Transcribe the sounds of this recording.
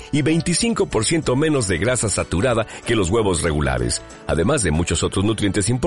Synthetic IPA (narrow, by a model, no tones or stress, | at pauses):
iβe̞jnt̪isiŋko̞po̞ɾsje̞nt̪o̞mẽ̞no̞zðe̞ɣɾasasat̪uɾaðake̞lo̞zɣwe̞βo̞sre̞ɣula̰ɾḛs | a̰ðe̞mazðe̞mut͡ʃo̞so̞t̪ɾo̞znut̪ɾjent̪e̞simpo